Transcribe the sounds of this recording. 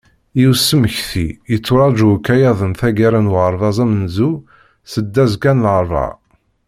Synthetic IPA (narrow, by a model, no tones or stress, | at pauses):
iwsːəməçθiət͡sːʊɾˤɑd͡ʒukːæjɑðˤənθæɡæɾænwʁəɾˤvɑzˤæmənzu | səd̪ːæzkænlɾˤvɑ̰